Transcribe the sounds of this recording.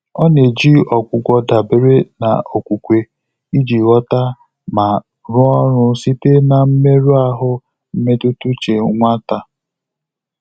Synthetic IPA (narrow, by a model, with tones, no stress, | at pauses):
ɔ˦ne˨d͡ʒi˦ɔ˨kʷʊ˨ɡʷɔ˦da˨be˨ɾe˦na̰˨o˨kʷu˨kʷe˨ | i˦d͡ʒi˨wɔ˦ta˦ | ma˨ | ɾʊ˦ɔ˦ɾʊ˦si˦te˦na˨m̩˦me˦ɾu˦a˦ɦʊ˦ | m̩˦me˦tu˦tu˦t͡ʃe˨˦ŋʷa˦ta˨